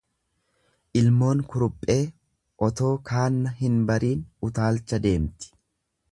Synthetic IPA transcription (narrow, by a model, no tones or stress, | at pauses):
ʔɪlmo̞ːŋkʊɾʊpʼːe̞ː | ʔɔt̪o̞ːkʰaːnːɐɦɪnbɐɾiːnʊt̪aːlt͡ʃːɐd̪e̞ːmt̪ɪ̥